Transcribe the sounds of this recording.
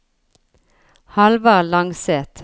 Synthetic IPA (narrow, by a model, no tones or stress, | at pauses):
hɑlʋɑlɑŋseːt̪